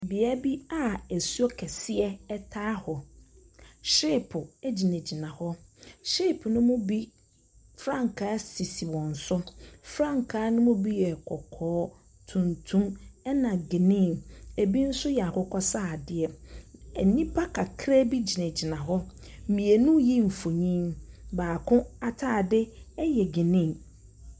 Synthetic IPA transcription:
bɪ˨a˦bi˦a˦æ˨su˦ɔ˦kʰɛ˨sɪ˦ɛ˦ɛ˦tʰaː˦hɔ˨ | ʃe˦˨pʰʊ˨ɛ˦d͡ʑi˨næ̃˨d͡ʑi˨nã˨hɔ˦ʃe˦˨pʰnʊ̃˦mʊ̃˦bi˦ | fɾã˦ŋ˨kʰaː˨˦si˨si˨wɔ̃˨n̩˨sʊ˦fɾã˦ŋkʰaː˨˦nʊ̃˦mʊ̃˦bi˦jɛ˨kʰɔ˨kʰɔː˦ | tʰũ˨ntʰũ˦mɛ˦nã˨ɡɪ˨nɪ̃˦˨ne˨bi˦n̩˦sʊ˦jɛ˨a˨kɔ˦kʰɔ˦saː˦˨dɪ˦ɛ˨ɛ̰˨nĩ˦pʰa˦kʰa˨kʰɾɛ˦bi˦d͡ʑi˨næ˨d͡ʑi˨nã˨ɦɔ˦ | m̩˨mĩ˨e˨nũ˦ji˦m̩˨fo˨ɲĩ˦nbaː˨kʰʊ̃˦a˨tʰaː˦˨dɪ˦ɛ˦jɛ˨ɡɪ˨nɪ̃˦˨

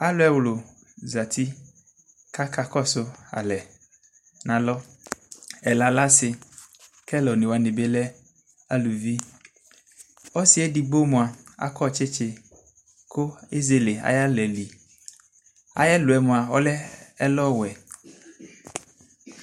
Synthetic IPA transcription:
a˦lo˦ɛ˦wlo˨ | za˨t̪ʰi˦ | ka˦ka˦kɔ˦so˦a̰˨lɛ˨ | nã˨lɔ˦ | ɛ˨la˨la˦se˨ | kɛ˦lɔ˨nĩ˨wa˨nĩ˨be˦lɛ˦ | a˦lu˨vi˦ | ɔ˦si˨ɛ˦di˨bo˦mũ˨a˨a̰˦kɔ˦˨t͡ʃe˦t͡ʃe˦ | ko˦e˦ze˦le˨a̰˦ja˦lɛ˨li˨ | a̰˦ja˦lo˨ɛ˨mũ˨a˨wɔ˦lɛ˦ɛ˦lɔ˦wɛ˨

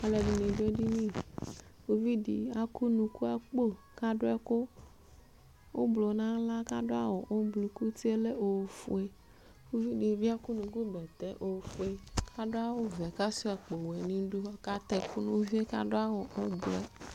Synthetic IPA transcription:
a˨le˨ɖi˨nĩ˨ɖo˦ɖi˦nĩ˦˨fo˦vi˦ɖḭ˨a˦ku˦nũ˨ku˦a˨k͡po˦ | ka˦ɖo˦ɛ˦ko˦ | wo˦blo˨nã˦la˦ka˦ɖo˦a˦wɔ˨ʔo˦blu˨ku˦t̪i˦e˦le˦o˨fṵ˨e˦ | fo˦vi˦di˨˦vi˦a˦ku˦nũ˨ku˦bɛ˨t̪ɛ˦ʔo˨fu˨e˦kʰa˦ɖo˦a˦wo˦vɛ˨ka˦si˦ɛ˨k͡po˨wɛ˨nĩ˦ɖu˦a˦ka˦t̪ɛ˨ku˦nõ˦vi˦e˦ka̰˦ɖo˦a˦wɔ˨o˦blo˨ɛ˨

